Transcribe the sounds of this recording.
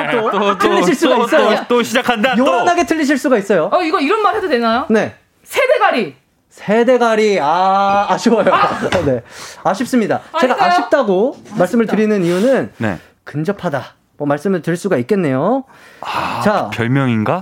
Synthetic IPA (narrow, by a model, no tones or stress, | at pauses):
tʰɯʎːiiɭs͈uɡais͈ʌjot͈oɕʰid͡ʑakʰandajʌɾʌnaɡe̞tʰɯʎːiɕ̬ʰiɭs͈uɡais͈ʌjoaiɡʌiɾʌnmaɾedodenajone̞ | sʰede̞ɡaɾi | sʰe̞de̞ɡaɾiaːɕʰiwʌjone̞aɕʰip̚s͈ɯmɲidae̞ɡaʔaɕip̚t͈aɡomaɭs͈ɯmɯɭtɯɾinɯnijunɯnnḛ | kɯnd͡ʑʌpʰada | mʌmaɭs͈ɯmɯɭtɯiɭs͈uɡaik̚k͈e̞nːe̞jo | t͡ɕapjʌɭmjʌŋinɡa